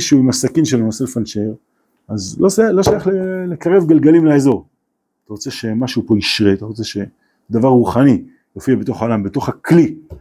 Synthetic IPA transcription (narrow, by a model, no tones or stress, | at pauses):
ʃuimasakinʃelonoselfanʃeʁ | azlo̞ʃajalo̞ʃajaχlele̞kaʁe̞vɡalɡalimlaezo̞ʁ | at̪aʁot͡se̞ʃe̞maʃupo̞iʃʁeat̪aʁo̞t͡se̞ʃe̞ | d̪avaʁʁuχani | jofiabet̪oχaolambeto̞χakli